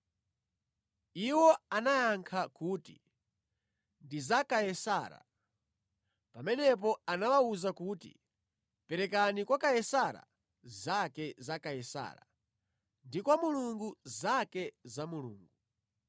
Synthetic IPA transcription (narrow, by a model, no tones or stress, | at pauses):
iwɔanajaŋkʰakuːti | ndizakajɛsaɾa̰ | pamɛnɛp̬ɔanawauzakuːtḭ | pɛɾɛkanikwakajɛsaɾa̰ | zakɛzakajɛsa̰ːɾa̰ | ndikwamuluŋɡuzakɛzamulṵːŋɡu